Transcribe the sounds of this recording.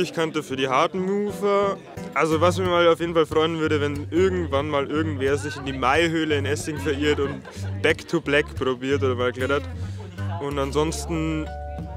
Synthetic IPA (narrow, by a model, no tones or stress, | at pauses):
ɪçkʰantəfyːɐɾiːɦaɐtn̩muːfɐ | ʔalzovas̬mɪmaːlaʊfjeːdn̩falfʁ̥ɔʏənvʏɐɾəvɛnʔɪɐɡŋ̩tv̥anmaːlʔɪɐɡŋ̩tv̥eːɐzɪçɪndiːmaɪɦøːləɪnʔɛsɪŋfɛɐʔiːɐtʊnt | b̥ɛktʰublɛkpʁ̥obiːɐtʔoːdɐmaːlklɛtɐt | ʔʊntanzɔnstn̩